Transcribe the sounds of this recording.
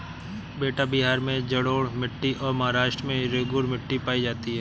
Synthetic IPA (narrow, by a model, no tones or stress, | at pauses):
beːʈabɪɦaːɾmẽd͡ʒɐɽoːɽmɪʈːiʔɔːɾmɐɦaːɾaːʃʈɾəmẽɾeːɡʊɾmɪʈːipaːid͡ʒaːt̪iɦɛː